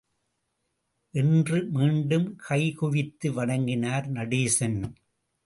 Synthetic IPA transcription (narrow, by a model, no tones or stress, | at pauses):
ʔɪndrɯmiːɳɖɯmkʰɐɪkʊʋɪt̪ːɯʋɐɽɐŋɡɪnaːɾnɐɽiːsɐn